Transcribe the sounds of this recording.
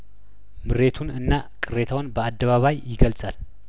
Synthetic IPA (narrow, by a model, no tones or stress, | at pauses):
mɨɾe̞t̪ʰunɨnːakʼɨɾe̞t̪ʰawnbəad̪ːəβaβajːɪɡəlsʼal